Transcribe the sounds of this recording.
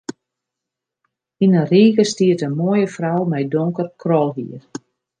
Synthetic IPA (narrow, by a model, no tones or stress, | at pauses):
inənriːkəstiətənmojəfrawmɛjdɔŋkərkrɔlˠɦḭər